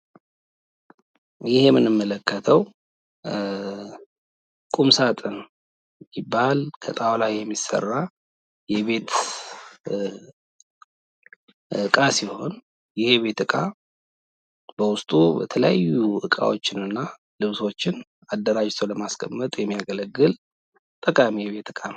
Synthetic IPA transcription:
jɪhemɨnɨmːələkʰːət̪ʰəw | kʼumsat̪ʼɨn | jibːalkʰət̪ʼawlajjɛmːisə̰rːa | jɛβe̞t̪ | ɨkʼasiho̞̰n | jɪheβe̞t̪ɨkʼa | b̥əwʊst̪ʼubə̰t̪ʰələja̰jːuʔɨkʼa̰wot͡ʃːɪnɨnːa | lɨβso̞t͡ʃːɪn | ad̪ːəɾad͡ʒt̪ʰəwləmaskʰʼəmːət̪ʼjɛmːijaɡələɡːɨl | t̪ʼəkʼamijβe̞t̪ɨkʼan

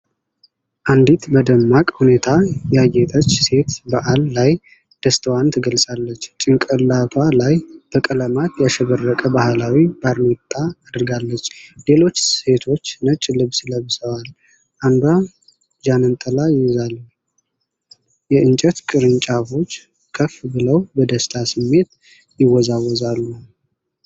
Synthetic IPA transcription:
ʔand̪it̪bəd̪əmːakʼhune̞t̪ʰajajːɛt̪ʼət͡ʃːse̞t̪baʔalːaj | d̪̥əst̪ʰəwant̪ʰəɡəlsʼalːət͡ʃːt͡ʃʼɪŋkʼəlːat̪ʰwalajb̥əkʼələmat̪jaʃɛβərːəkʼəbahlawibaɾnet̪ʼːaːd̪ɾɨɡalːət͡ʃːle̞lo̞t͡ʃːsse̞t̪ʰo̞t͡ʃːnət͡ʃʼːlɨβsləβsəwal | ʔand̪wa | d͡ʒanɨnt̪ʼəlajɪwzalː | jɛʔɨnt͡ʃʼət̪kʼɨɾɨnt͡ʃʼafo̞t͡ʃː | kʰəfbɨləwbəd̪əst̪ʰasɨmːe̞t̪̚ | jɪwɔzawɔzalːu

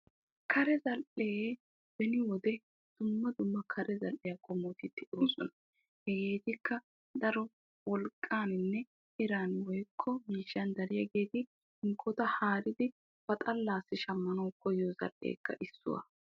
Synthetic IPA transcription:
kʰɐɾɛzɐlʔeː | b̥ɛnɪwɔd̪ɛ | d̪̥ʊmːɐd̪ʊmːɐkʰɐɾʔɛzɐlʔɛjɐkʼɔmɔːt̪ɪt̪ːɪʔoːsɔ̰nɐ | hɛɡeːt̪ɪkːɐ | d̪ɐɾɔ | wɔlkʼːaːnɪnːɛ | ʔɪɾaːnwɔjkʰːɔmiːʃːɐnd̪ɐɾɪjɐɡe̞ːt̪ɪ | ɪŋkʰːɔt̪ɐhaːɾɪd̪ɪ | fɐt̪ʼɐlːaːsːɪʃɐmːɐnɔwkʰːɔjozɐ̰lʔːḛːkːɐ̰ʔɪsːʊ̰wɐ̰

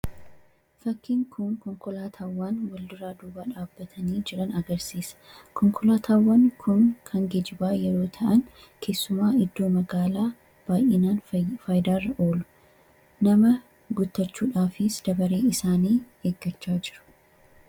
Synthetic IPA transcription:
fɐkːɪŋkʰʊŋkɔŋkɔlaːt̪ʰaːwːaːnwɐld̪ʊɾaːd̪uːbaːᶑaːbːɐt̪ʰɐniːd͡ʒɛᶑɐnɐɡɐɾsiːsɐ̥kɔŋkʰɔlaːt̪ʰaːwːɐnkʰʊnkʰɐŋɡɛd͡ʒɪbaːjɛɾo̞ːt̪ʰɐʔɐŋ | kʰe̞ːsːʊmaːɪd̪ːo̞ːmɐɡaːlaː | b̥aːjʔɪnaːnfɐːjd̪aːrːɐʔoːlʊ̥ | nɐmɐ | ɡʊt̪ːɐt͡ʃːuːᶑaːfɪsd̪̥ɐbɐɾeːɪsaːniː | eːɡːɐt͡ʃːaːd͡ʒɪɾʊ̥

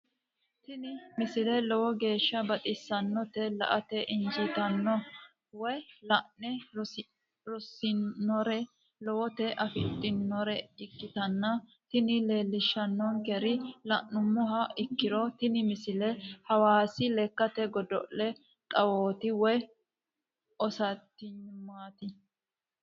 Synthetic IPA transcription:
t̪ɪnɪmɪsɪlɛlɔwɔɡe̞ːʃːɐbɐt̪ʼɪsːɐnːɔt̪ɛlɐ̰ʔɐt̪ɛʔɪnd͡ʒɪt̪ɐnːɔ | wɛlɐnɛ | ɾɔsːɪnːɔɾɛ | lɔwɔt̪ɛʔɐfɪ̰t̪ʼːɪnːɔɾɛɪkːɪt̪ɐnːɐ | t̪ɪnɪle̞ːlːɪʃːɐnːɔnkɛɾɪlɐʔːʊmːɔɦɐɪkːɪɾɔt̪ɪnɪmɪsɪlɛhɐwaːsɪlɛkːɐt̪ɛɡɔd̪ɔ̰ʔɛ | kʼɐwoːt̪ɪwɔj | ɔsɐt̪ːɪɲmaːt̪ɪ

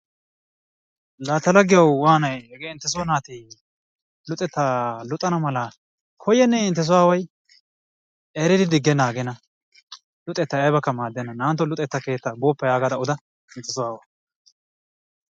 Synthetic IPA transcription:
laːt̪ːɐlɐɡɪjɐwwaːnɐjhɛɡeɪnt̪ːɛs̬ʊɔnaːt̪i | lʊt̪ʼɛt̪ːalʊt̪ʼːɐnɐmɐlɐ | kʰɔjːɛnːɛɪnt̪ːɛs̬ʊwaːwɐj | ʔeːɾɪd̪ɪd̪ɪɡːɛnaːɡɛnɐ | lʊt̪ʼːɛt̪ːɐjɐjbɐkːɐmaːd̪ːɛnːɐnaːnt̪ːɔlʊt̪ʼːɛt̪ːɐke̞ːt̪ːɐboːpːɐjaːɡɐd̪ɐʊd̪ɐ | ɪnt̪ːɛsʊwaːwɐ

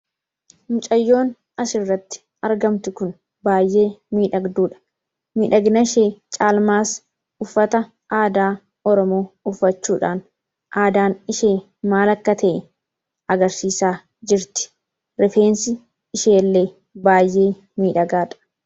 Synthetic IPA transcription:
mʊt͡ʃʼɐjːo̞ːn | ɐʃɪrːɐt̪ːɪ̥ | ɐɾɡɐmt̪ʊkʊn | baːjːe̞ːmiːᶑɐɡd̪uːᶑɐ̥ | miːᶑɐɡnɐʃeːt͡ʃʼaːlmaːs | ʊfːɐt̪ɐ | ʔaːd̪aː | ɔɾɔmo̞ːʊfːɐt͡ʃːuːᶑa̰ːn | ʔaːd̪aːnɪʃe̞ː | maːlɐkːɐt̪ʰɐʔɛ | ɐɡɐɾsiːsaː | d͡ʒɪɾt̪ɪ̥ | ɾɛfe̞ːnsɪ | ɪʃeːlːe̞ː | baːjːʔe̞ː | miːᶑɐɡaːᶑ̪ɐ̥

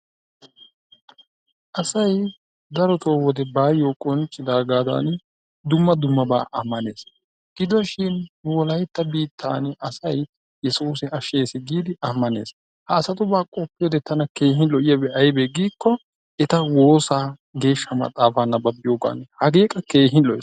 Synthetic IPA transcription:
ʔɐsɐj | d̪ɐɾɔt̪oːwɔd̪ɛbaːjoːkʼɔnt͡ʃʼɪd̪aːɡaːd̪a̰ːn | d̪ʊmːɐd̪ʊmːɐba̰ːʔɐmːɐne̞ːs | ɡ̥ɪd̪ɔʃɪnwɔlɐjt̪ːɐbiːt̪ʰːa̰ːnʔɐsɐj | jɛsuːsɪɐʃeːsɪɡiːd̪ɪʔɐmːɐne̞ːs | hɐːsɐt̪ʊbaːkʼɔpːɪjoːd̪ɛt̪ɐnɐke̞ːɦɪnlɔʔɪjɐbɛʔɐjbeɡiːkːɔ | ɛt̪ɐwo̞ːsaː | ɡe̞ːʃːɐmɐ̰t̪ʼaːfaːnːɐbɐbɪjoːɡa̰ːnhɐɡe̞ːkʼɐke̞ːɦɪnlɔʔɪs

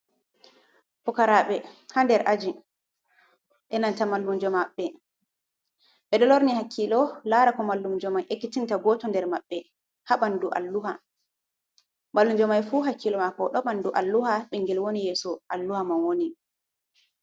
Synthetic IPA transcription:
pɔkaɾaɓɛhandɛɾʔad͡ʒi | ʔɛnantamalːumd͡ʒɔmaɓːɛ | ɓɛɗɔloɾnihakʰːilɔlaɾakɔmalːumd͡ʒɔmajʔekːitintaɡɔtɔndɛɾmaɓːɛ | haɓanduʔa̰lːuha | malːumd͡ʒɔmajfuɦakʰːilɔmakɔɗɔɓanduʔalːuhaɓɛŋɡɛlwonijɛsɔʔalːuhamanwoni

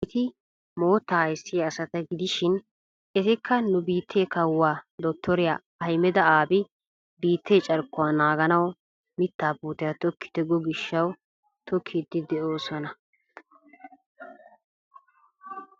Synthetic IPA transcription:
t̪ɪ | mo̞ːt̪ːaːhɐjsːɪjɐːsɐt̪ɐɡɪd̪ɪʃɪn | ʔɛt̪ɪkːɐnʊbiːt̪ʰːeːkɐwːaːd̪ɔt̪ːɔɾɪja̰ː | ɐjmɛd̪ɐaːbɪ | biːt̪ːeːt͡ʃʼɐɾkːʊwaːnaːɡɐnɐw | mɪt̪ːaːbuːt̪ɪjat̪ɔkʰːɪ̥t̪ɛɡɔɡɪʃːɐw | t̪ɔkʰːɪd̪ɪd̪ɛo̞ːsɔnɐ

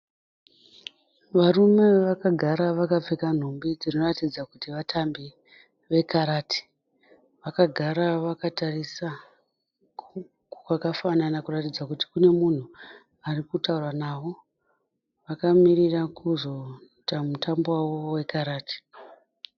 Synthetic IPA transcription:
ʋarume̞ʋakaɡʱaɾaʋakap͡fekan̤ombid͡zino̞ratid͡zakutiʋatʰambi | ʋe̞kaɾaːti̥ | ʋakaɡʱaɾaʋakatarisa | kwakafananakuratid͡zakuti̥kune̞mun̤u | arikutaurwanaʋo̞ | ʋakamirirakuzo̞ | tamutambowawo̞we̞kaɾaːti̥

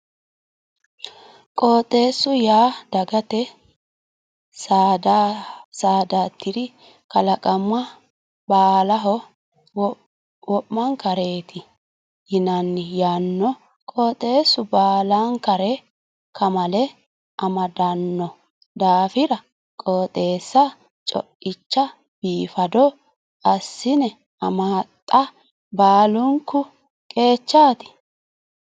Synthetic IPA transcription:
kʼoːt̪ʼːe̞ːsːʊjaːd̪̥ɐɡɐt̪ɛ | sd̪saːd̪aːt̪ʰːɪd̪ɪ | kɐlɐkʼɐmːɐ | baːlɐɦɔ | wɔpːɐŋkɐɾe̞ːt̪ʰɪ | jɪnɐnːɪjaːnːɔ | kʼoːt̪ʼːe̞ːsːʊbaːlaŋkɐɾɛ | kɐmɐlɛ | ʔɐmɐd̪ɐnːɔ | d̪aːfɪɾɐ | kʼoːt̪ʼe̞ːsːɐ | t͡ʃʼɔ̰ʔɪt͡ʃːɐ | b̥iːfɐd̪ɔ | ʔɐsːɪnɛ | ɐmaːt̪ʼːɐ | baːlʊŋkːʊ | kʼe̞ːt͡ʃːaːt̪ɪ̥

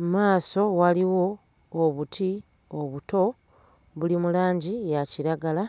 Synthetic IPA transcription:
maːso̞waliwo̞ː | βutʰi | oβuto̞ | βulimulaːɲɟijaciɾaɡala

